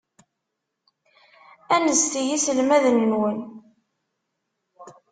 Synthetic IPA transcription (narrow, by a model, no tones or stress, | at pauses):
ænəzθijisəlmæðənːwən